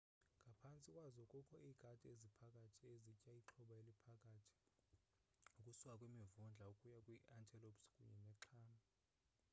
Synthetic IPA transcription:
ŋʱapʰant͡sʼikʼwazɔkʼɔkʰɔʔiːɡ̥ʱatʼiezipʰakʼatʰiezicʼaiǁʰɔɓaelipʰakʼaːtʰi̥ | ukʼusuwakʼwimivund͡ɮʱaukʼujakʼwiʔantʰʼɛlopskʼṵɲɛnɛǁʰaːma

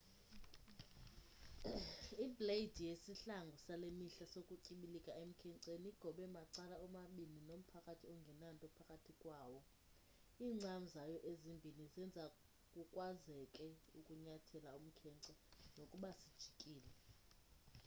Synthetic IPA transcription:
ibʱled̥ʱijesiɬaŋɡʱɔsalemiɬasokʼuǀiɓilikʼaem̩kʰɛŋǀeniiɡ̥ʱɔɓɛmaǀalaɔmaɓininom̩pʰakʼatʰiɔŋɡʱɛnantʼɔpʰakʼatʰikʼwaːwɔ | iːŋ͡ǀʱanizajɔʔezimbʱinizɛnd͡zʱa | kʼukʼwazɛkʼɛukʼuɲatʰɛlaum̩kʰɛǀɛnokʼuɓasid̥ʒ̥ʱikʼiːlɛ

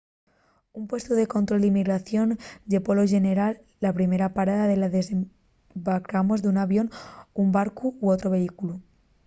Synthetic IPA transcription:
umpwe̞st̪oðe̞ko̞nt̪ɾo̞ld̪imiɣɾaθjo̞nʎe̞polo̞ʒe̞ne̞ɾalːapɾime̞ɾapaɾaðaðe̞laðe̞se | bakamo̞zðunaβjo̞numbaɾkuːot̪ɾoβ̞eikulu

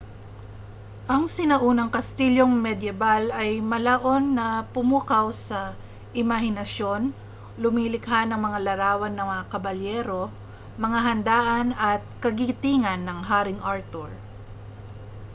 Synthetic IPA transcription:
ʔɐŋsɪnɐʔuːnɐŋkɐst̪iljo̞ŋmɛd̪jɛbalɐjmɐlaʔo̞nːɐpʊmuːkɐwsɐ | ʔɪmaɦɪnɐʃo̞n | lʊmiːlɪkɦanɐŋmɐŋalɐɾaːwɐnːɐŋmɐŋakɐbɐljɛːɾo̞ | mɐŋaɦɐnd̪aːʔɐnɐt̪̚kɐɡit̪iŋɐnːɐŋɦaːɾɪŋʔaɹt̪oɹ

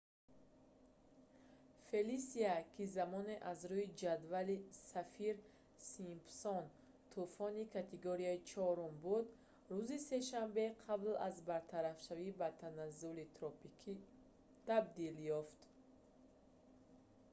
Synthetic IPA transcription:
fe̞lisiakʰizamɔne̞ʔazɾuid͡ʒad̪valisafiɾ | simpsɔn | t̪ʰufɔnikʰat̪ʰeɡoɾiait͡ʃʰɔɾumbud̪ | ɾuzise̞ʃambeqʰablazbaɾt̪ʰaɾafʃavibat̪ʰanazulit̪ʰɾɔpikʰi | t̪ʰabd̪iljɔft̪

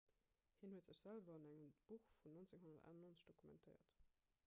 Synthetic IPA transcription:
hiːnhuətz̥əɕz̥ælvɐɑnæŋəmb̥uxfunːont͡seŋɦonɐtæ̰ːnɑnoːnt͡sə̥ɕd̥okʰumɛ̰ntʰəɪɐ̰t

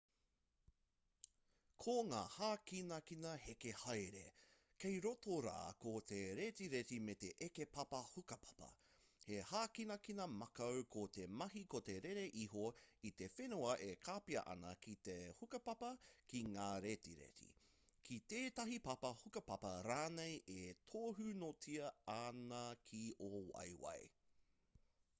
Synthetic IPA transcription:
kʰoŋa̰ːhaːkinɐkinɐhekehɐjɾḛ | kejɾotoɾa̰ːkot̪ʰeɾet̪iɾetimet̪eʔekepɐpɐhukɐpʰɐ̥pɐ̰ | hehaːkinɐkinɐmɐkɐwkʰot̪emɐɦikot̪eɾeɾeʔiɦoit̪e̞fenuɐʔekʰaːpiɐ̰ʔɐ̰nɐkit̪ehukɐpɐpɐkiŋaːɾetiɾḛtḭ | kʰit̪eːtɐɦipɐpɐhukɐpɐpɐɾaːnejʔetʰoːɦʉnotʰiɐɐnɐkʰiowɐ̰jwɐ̰j

